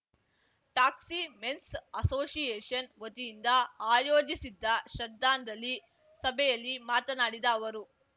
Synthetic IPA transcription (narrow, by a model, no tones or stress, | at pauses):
ʈaːksimensɐsoːsijɛːʂɐnʋot̪ijind̪ɐaːjoːd͡ʒisid̪ːɐʃɐd̪ːaːnd̪ɐlːi | sɐbʱɛjɐlːimaːt̪ɐnaːɽid̪ɐːʋɐɾu